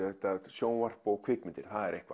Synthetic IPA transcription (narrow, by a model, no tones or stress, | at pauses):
θɛht̪asjoːwnvar̥pɔɣkʰvɪkmɪnt̪ɪɾ̥θaðɛɾehkva̰